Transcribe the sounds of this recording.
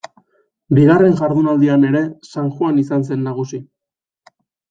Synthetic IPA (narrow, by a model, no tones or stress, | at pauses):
biɣare̞ŋʝaɾðunald̪iane̞ɾe̞saŋxwanisans̬e̞nːaɣ̞usi